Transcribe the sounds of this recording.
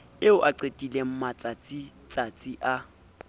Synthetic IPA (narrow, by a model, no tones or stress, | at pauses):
ɪʊʔaǀetʼilem̩mat͡sʼat͡sʼit͡sʼat͡sʼiʔa